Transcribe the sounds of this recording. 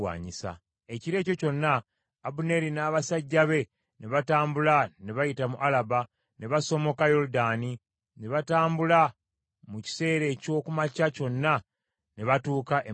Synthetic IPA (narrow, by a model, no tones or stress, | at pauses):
wa̰ːɲisa̰ | e̞ciɾe̞ːco̞co̞nːaː | bune̞ɾinaβasaɟːaβe̞ | neβataːmbulane̞βajitamuʔalaba | ne̞βaso̞mo̞kajo̞ɾudaːni | ne̞βataːmbula | muci̥se̞ːɾe̞ːco̞ːkumacaco̞nːa | ne̞βatuːkaʔe